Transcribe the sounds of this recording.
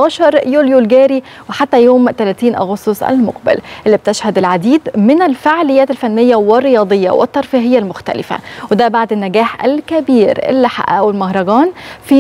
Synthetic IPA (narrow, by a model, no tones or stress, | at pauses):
ɑːʃɑɾˤjuːljolɡæːɾi | weħat̪ːæjoːmt̪ælæːt̪iːnʔɑ̰ɣost̪osʔæ̰lmo̰qbɪ̰lʔelːib̚t̪eʃhæd̪ælʕad̪iːd̪mɪnɪlfeʕlɪjːæːt̪ælfænːɪjːæwɪrˤːejɑːd̪ˤejːɑ̰wʔɪ̰t̪ːɑɾˤfiːɦɪjːælmʊxt̪æ̰lɪ̰fæ̰wed̪æbaʕd̪ɪnːæɡæːħʔæ̰lkæbiːɾɪ̰lːɪħa̰ʔæwelmɑɦɾˤɑɡɑːnfiː